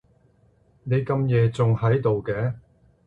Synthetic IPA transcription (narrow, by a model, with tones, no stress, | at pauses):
ne˨˧jkɐ˧mjɛː˨˧t͡sʊ˨ŋhɐ˨˥jt̪o˨wkɛː˨˥